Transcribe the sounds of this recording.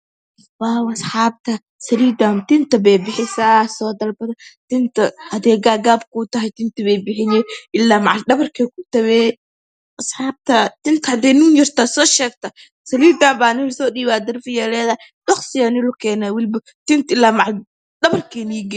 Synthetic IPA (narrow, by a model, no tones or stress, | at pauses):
baːwɐsħɑːb̚t̪ʰɐ | sɐliːd̪amt̪ɪnt̪ɐbɛjbɪħɪsasɔːd̪ɐlbɐd̪ɐt̪ɪnt̪ʰɐhɐd̪ɛːɡaːɡaːbkut̪ɐɦɛjt̪ɪnt̪ɐβɛjbɪħɪjɛʔɪlːaːmɑʕaldɐβɐrkʰɛkʊt̪ɐβɛ | ʔɐsħɑːb̚t̪ʰɐt̪ɪnt̪ʰɐhɐd̪ɛːnuːnjɪrt̪asɔːʃɛːɡt̪ʰɐ | sɐliːd̪ambaːnɪlʊsɔːɗiːβaːd̪ɐrfɪjɛlɛːðɐɪ | ɗɔχsɪjanɪlʊkʰɛːnawɪlbɐ | t̪ɪnt̪ɪlːaːmɑʕa | dɐβɐrkʰɛːniɡɛ